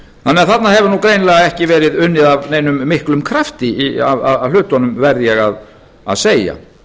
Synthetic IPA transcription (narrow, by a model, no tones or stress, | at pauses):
θanːɛaθat̪naɦɛvʏɾnuːwkɾeːjnlɛːɣaɛhcɪvɛːɾɪðʏnːɪðavnejnʏmːɪhklʏmkʰɾaft̪ɪia̰vaalʏːt̪ɔnʏmvɛɾðjɛɣað | a̰ðseːja̰